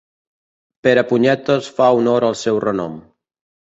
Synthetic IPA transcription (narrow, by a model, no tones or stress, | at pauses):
peɾəpuɲɛt̪osfaunoɾəlˠsɛwrənɔ̰m